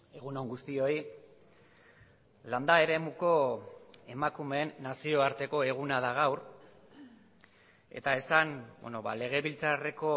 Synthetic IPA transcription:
e̞ɣunoŋɡust̪io̞i | land̪ae̞ɾe̞muko̞ | e̞makume̞ːnːasio̞aɾt̪e̞ko̞e̞ɣ̞unað̞aɣ̞awr | e̞̰t̪ae̞sanbo̰noβa̰le̞ɣ̞e̞βilt͡sare̞ko̞

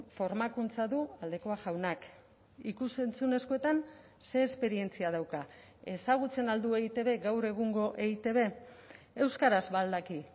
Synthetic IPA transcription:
fo̞ɾmakunt͡saðuald̪e̞ko̞aʝawnak | ikuse̞nt͡sune̞sko̞e̞t̪an | se̞ːspe̞ɾie̞nt͡siað̞awka | e̞saɣ̞ut͡se̞nald̪ue̞it̪e̞β̞e̞ɡawɾe̞ɣ̞uŋɡo̞ʔe̞it̪e̞β̞e̞ | e̞wskaɾazβald̪aki

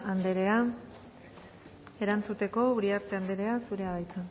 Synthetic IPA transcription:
and̪eɾe̞a | e̞ɾant͡sut̪e̞ko̞uɾiaɾt͡seand̪e̞ɾe̞asuɾe̞aðajt͡san

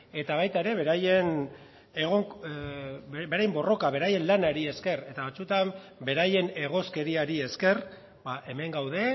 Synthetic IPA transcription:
e̞t̪aβ̞ajt̪aeɾe̞βe̞ɾajen | eɣo | be̞ɾajmbo̞ro̞kaβe̞ɾaje̞nlanaɾie̞ske̞re̞t̪aβat͡sut̪ambe̞ɾaje̞ne̞ɣ̞o̞ske̞ɾiaɾie̞ske̞r | baʔe̞me̞ŋɡawðe̞

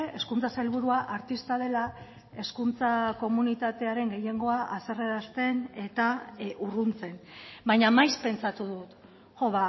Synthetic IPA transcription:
e̞skunt͡sasajlβuɾuaʔaɾt̪ist̪að̞e̞la | e̞skunt͡sako̞munit̪at̪e̞aɾe̞ŋɡe̞je̞ŋɡo̞aʔase̞reɾast̪e̞ne̞t̪aurunt͡se̞nbajɲamajspe̞nt͡sat̪uðut̪ | ʝo̞βa

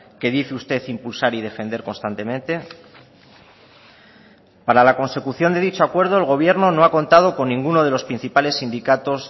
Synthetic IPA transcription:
ke̞ðiθeust̪e̞θimpulsaɾiðe̞fe̞nd̪eɾko̞nst̪ant̪emẽ̞nt̪e̞ | paɾalako̞nse̞kuθjo̞nd̪e̞ðit͡ʃo̞akwe̞ɾð̞o̞elɣ̞o̞β̞je̞ɾno̞no̞ako̞nt̪að̞o̞ko̞nːĩŋɡuno̞ð̞e̞lo̞spɾin̟θipale̞sːind̪ikat̪o̞z

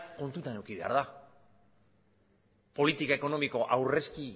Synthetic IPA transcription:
ko̞nt̪ut̪ane̞wkiβe̞a̰ɾða | po̞lit̪ikae̞ko̞no̞miko̞ʔawre̞ski

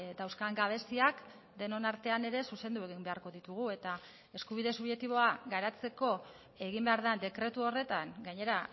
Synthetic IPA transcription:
d̪awskaŋɡaβ̞e̞siak | d̪e̞no̞naɾt̪e̞ane̞ɾe̞suse̞nd̪ue̞ɣimbe̞aɾko̞ðit̪uɣue̞t̪a | e̞skuβ̞iðe̞suβʝe̞t̪iβo̞aɡaɾat͡se̞ko̞ | e̞ɣimbe̞aɾðand̪e̞kɾe̞t̪uo̞re̞t̪aŋɡaɲe̞ɾa

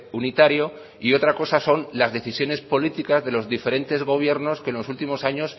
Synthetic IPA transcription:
unit̪aɾjo̞ | io̞t̪ɾako̞saso̞nlazðe̞θisjo̞ne̞spo̞lit̪ikazðe̞lo̞zðife̞ɾe̞nt̪e̞zɣ̞o̞β̞je̞ɾno̞ske̞nlo̞sult̪imo̞saɲo̞s

